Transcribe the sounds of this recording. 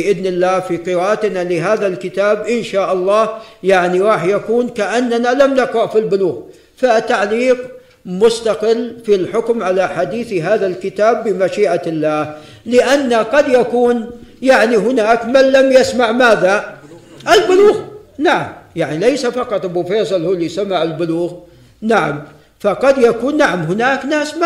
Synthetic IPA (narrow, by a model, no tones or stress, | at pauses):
ʔɪðnɪlːaːhfiqɨɾaːʔat̪nalɪɦaːðalkɪt̪aːbʔɪnʃaːʔɑlˤːɑːhjaʕniɾˤɑːħjakuːnkaʔanːanalamnaqɾɑʕfilbʊluːɣ | fat̪ːaʕliːq | mʊst̪aqɪlːfilħʊkmʕalaħad̪iːθɦaːðalkɪt̪aːbːɪmaʃiːʔalːaːh | lɪʔanːaqɑd̪jakuːnjaʕniɦʊnaːkmanlamjasmaʕmaːða | ʔɪlbʊluːɣnaʕa̰mjaʕnilejsafɑqɑt̪ˤbʊfeːsˤɑlhulːijsamːaʕɪlbʊluːɣ | naʕam | faqɑd̪jakuːnːaʕamɦʊnaːknaːsma